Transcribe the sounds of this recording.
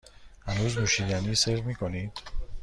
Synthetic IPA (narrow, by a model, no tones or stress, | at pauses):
hænuːzmuʃiɡaniseɾmikʰonid̪̥